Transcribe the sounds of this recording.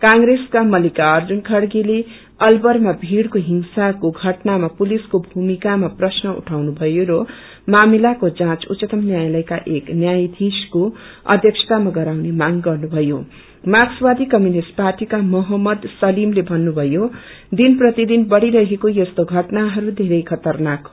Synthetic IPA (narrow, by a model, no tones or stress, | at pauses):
kãŋɾeskamʌlikaʌrd͡zunkʰʌɽɡile | ʌlbʌrmabʱiɽkoɦiŋsakoɡʱʌʈnamapuliskobʱumikamaprʌsnʌṵʈʰawnubʱʌjoɾʌ | mamilakod͡zãt͡sut͡sːʌt̪ʌmnjajlʌjkaʔeknjajd̪ʱiskoʌ̰d̪ʱjʌksʰʌ̥t̪amaɡʌɾawnemaŋɡʌrnubʱʌjo | makswad̪ʱikʌmjunisʈ̚parʈikamʌɦʌmːʌd̪sʌlimlebʱʌnːubʱʌjo | d̪inprʌt̪id̪inbʌɽiɾʌɦekojʌst̪oɡʱʌʈnaɦʌɾud̪ʱeɾʌjkʰʌt̪ʌrnak